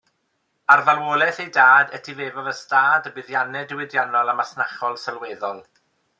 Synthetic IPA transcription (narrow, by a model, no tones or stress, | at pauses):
arvalˠwoːlˠɛθejdaːdɛtʰiveːvavəstaːdəbɪðjanɛdɪwɛdjanɔlˠəmasnaχɔlˠsəlweːðɔlˠ